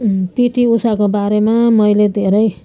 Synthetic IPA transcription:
piʈiusakobaɾemamʌjled̪ʱeɾʌj

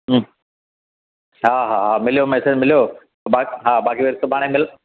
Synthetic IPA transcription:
ɦaːɦaːɦaːmɪlijomɛːsed͡ʑmɪlijo | baɦaːbaːkiʋeɾɪsobʱaːɽ̃ẽmɪl

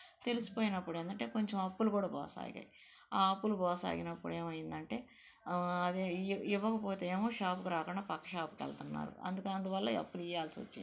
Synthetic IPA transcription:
t̪e̞lusi̥po̞ːjinɐpːuɽeːnd̪ɐɳʈe̞ːko̞ɲt͡ʃemɐpːulukuːɽaːbɔ̰ːsa̰ːɡa̰ːj | aːɐpːulubɔːsa̰ːɡinɐpːuɽe̞ːmɐjind̪ɐɳʈe̞ː | ɐd̪iʋːɐkɐpo̞ːt̪e̞eːmo̞ːʃaːpukuɾaːkuɳɖaːpɐkːɐʃaːpu̥kɐ̰lt̪unːa̰ːɾṵɐ̰nd̪ukɐnd̪uʋɐlːɐiɐ̰pːulijaːlsiʋɐ̰t͡ʃːind̪i

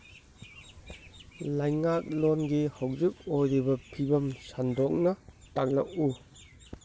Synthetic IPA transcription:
lɐjŋak̚lonɡihawzik̚ojɾibɐpʰibɐmsandok̚nɐtaŋlɐk̚u

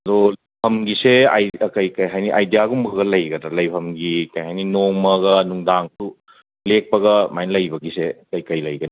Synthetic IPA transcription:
ɐdo | pʰɐmɡisea̰jkɐjkɐjɦajniʔajdijaɡumbʱɐɣɐlɐjɡɐdɾɐlɐjpʰɐmɡikɐjhajninoŋmɐɡɐnuŋdaŋtu | lek̚pɐɡɐmajnlɐjbɐɡisekɐjkɐjlɐjɡɐni

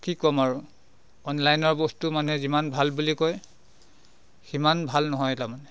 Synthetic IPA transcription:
kikɔmaɹu | ɔnlajnɔɹbɔstumanuɦɛzimanbʱalbulikɔj | ximanbʱalnɔɦɔjtamanɛ

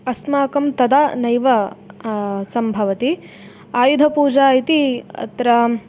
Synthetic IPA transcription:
ɐsmaːkɐmt̪ɐd̪anɐjʋɐ | sɐmbʱɐʋɐt̪i | aːjud̪ʱɐpuːd͡ʒaːit̪iɐ̰t̪ɾɐ

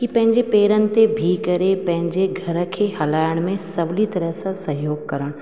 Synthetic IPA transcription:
kipɐ̃ɦɪ̃ɲd͡ʑepeːɾənɪ̆t̪ebʱiːkɐɾepɐ̃ɦɪ̃ɲd͡ʑeɡʱɐɾə̆kʰeːhɐlaːɪəɽ̃mẽsɐblit̪ɐɾəɦsãsɐɦjoːɡkɐɾəɽ̃

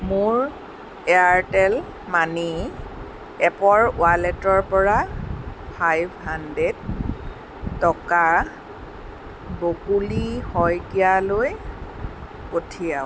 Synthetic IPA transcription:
mʊɹ | ɛaɹtɛl | mani | ɛpɔɹʊ̰alɛtɔɹpɔɹa | pʰajbɦanded | tɔka | bokulihɔjkijaloj | potʰijaw

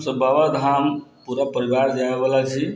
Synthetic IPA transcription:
sə̃babad̪ʱampuɾapəɾibaɾd͡ʒaebəlat͡ʃʰi

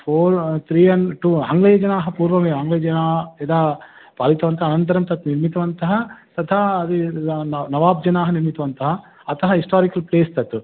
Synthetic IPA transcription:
pʰoːɾt̪ʰɾiːɐnʈuːa̰ːŋɡɭejɐd͡ʒɐnaːɦɐpuːɾʋɐmeːaːŋɡlɐjɐɐnaːed̪aː | paːlit̪ɐʋɐnt̪ɐɦɐnɐnt̪ɐɾɐmt̪ɐt̪niɾmit̪ɐʋɐnt̪ɐɦɐt̪ɐt̪ʰaɐd̪inɐʋaːb̚d͡ʒɐnaːɦɐniɾmit̪ɐʋɐnt̪ɐɦɐː | t̪ʰɐɦɐɦisʈaːɾikɐlpleːst̪ɐt̪ːu

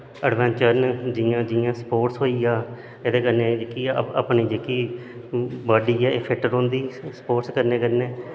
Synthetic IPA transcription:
əɖʋɛ̃ːnt͡ʃəɾnd͡ʒɪjãːd͡ʒɪjãːsə̥poːʈsɦoːiːãː | eːd̪eːkəɾneːd͡ʒeːkḭːpniːd͡ʒeːkiː | baːɖiːɛːeːpʰɪʈːəɾõːnd̪iːsə̥poːʈskəɾneːkəɾneː

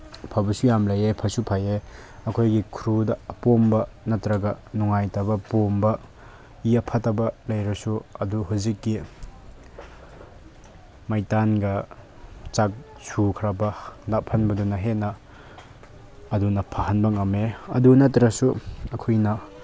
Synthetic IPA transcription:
pʰabɐsujamlɐjepʰɐsupʰajeɐkʰojɡikʰɾudɐːpombɐnɐtɾɐɡɐnuŋajtɐbɐpombɐ | iɐpʰɐtɐbɐlɐjɾɐsuɐduɦuzikːi | majtanɡɐ | t͡ʃak̚ | sʰukʰɾabɐnapʰɐnbɐdunɐɦenɐ | ɐdunɐpʰaɦɐnbɐŋɐmeɐ̰dunɐtɾɐsuɐkʰojnɐ

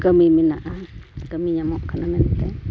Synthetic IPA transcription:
kəmiminaʔakəmiɲamoʔkanament̪e

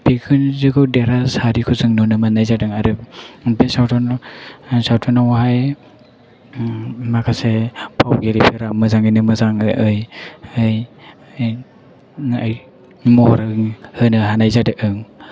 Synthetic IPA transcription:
pikʰɯnzɯɡɯwdeɾasaɾikʰuzɯŋnɔnɯmanajzadɯŋaɾɯbesawtɔn | sawtʰɔnawhaj | makʰasepʰawɡeɾipʰeɾamɯzaŋinɯmɯzaŋɯʔɯjɯjj | aj | mɔhɾɯŋhɯnɯɦanajzadɯʔɯŋ

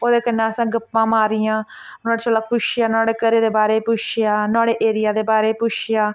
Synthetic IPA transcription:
oːd̪eːkənːãːəsãːɡəpːãːmaːɾɪjãː | naːɽeːt͡ʃəlaːpʰʊʃɪjaːnaːɽeːkəɾeːd̪eːbaːɾeːpʊʃjaːnãːɽeːʔeːɾɪjaːd̪eːbaːɾeːpʊʃjaː

